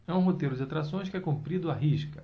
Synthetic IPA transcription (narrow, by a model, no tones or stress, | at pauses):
ɛũɦot̪ejɾʊd͡ʒɪat̪ɾasõj̃skɪɛkõmpɾid̪ʊaɦiʃkɐ